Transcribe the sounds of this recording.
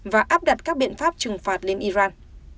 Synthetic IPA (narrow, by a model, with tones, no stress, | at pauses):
vaː˨˩ʔaː˦˥p̚ɗa˨˩t̚kaː˦˥k̚ɓḭ˧˨ənfaː˦˥p̚t͡ɕɨ˨˩ŋfaː˨˩t̚le˧nʔi˧zaː˧n